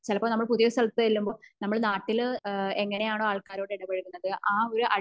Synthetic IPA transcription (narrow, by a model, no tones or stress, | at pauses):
t͡ɕilɐpːɐmnɐmːɐɭpuðijɐst̪ʰɐlɐt̪ːɨelːumbo̞ːnɐmːɐɭnaːʈːile̞ŋːɐne̞jaːɳoːaːɭkaːɾo̞ːɽeiɽɐbɐɻuɣunːɐðɨʔaːo̞ɾuʔɐ